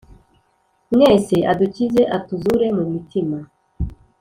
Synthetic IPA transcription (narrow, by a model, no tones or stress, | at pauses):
mŋeːse̞ʔaducize̞ʔatuzuɾe̞mumitima